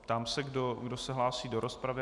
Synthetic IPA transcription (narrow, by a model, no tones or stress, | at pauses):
pt̪amsɛɡdoɡdo̞sɛɦlaːsiːdo̞ɾospɾavɪ